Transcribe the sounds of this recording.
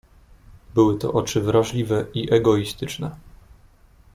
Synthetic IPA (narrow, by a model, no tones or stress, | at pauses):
bɘwɘt̪ɔ̰ʔɔt͡ʂɘvɾaʐlʲivɛiʔɛɡɔist̪ɘt͡ʂnɛ